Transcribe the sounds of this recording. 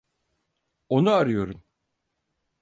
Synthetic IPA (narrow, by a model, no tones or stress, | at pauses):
o̞nuaɾɯjo̞ɾum